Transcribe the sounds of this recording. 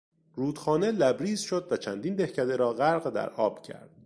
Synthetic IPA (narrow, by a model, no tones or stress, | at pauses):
ɾuːd̪̥xɒːne̞læbɾiːzʃod̪væt͡ʃʰænd̪iːnb̪ehcʰæd̪eɾɒːɣæɾɢd̪æ̰ɾʔɒːb̥cʰæ̰ɾd̪̥̚